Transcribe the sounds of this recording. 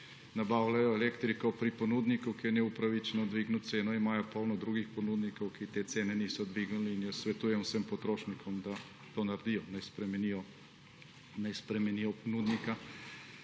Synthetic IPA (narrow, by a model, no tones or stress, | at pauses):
nabaːwlajɔɛleːkt̪ɾikɔpɾipɔnuːd̪nikukiɛnɛupɾaʋit͡ʃɛnɔd̪ʋiːɡnut̪seːnɔimaːjɔpɔwnɔd̪ɾuːɡixpɔnuːd̪nikɔwkit̪eːt̪seːnɛnisɔd̪ʋiɡnuliːnjɛsʋɛt̪uːjɛwsəmpɔt̪ɾoːʃnikʰɔmd̪a | t̪oːnaɾd̪ijɔnajspɾɛmɛnijɔ | najspɾɛmɛnijɔpɔnuːd̪nika